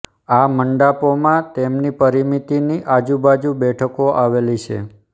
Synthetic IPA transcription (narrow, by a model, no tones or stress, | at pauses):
aməɳɖapomãt̪emnipəɾimit̪iniʔad͡ʒubad͡ʒubɛʈʰəkoʔaʋelit͡ʃʰḛ